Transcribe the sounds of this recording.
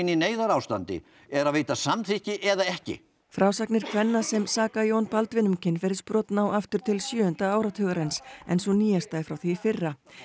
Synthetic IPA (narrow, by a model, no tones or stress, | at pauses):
nineːjðaɾaːwst̪a̰nt̪ɪ̰ | ɛɾaðveːjt̪asamθihcɪʔɛðaɛhcɪ̰ | fɾaːwsaknɪɾ̥kʰvɛnːasɛmsaːkajoːwnpalt̪vɪnʏmcɪnfɛːɾɪɾ̥spɾɔːt̪nawʔaft̪ʏɾ̥t̪ʰɪlsjʏːʏnt̪aaːwɾat̪ʰœːɣaɾejnsɛ̰nsɔniːjast̪aɪfɾawθifɪrːa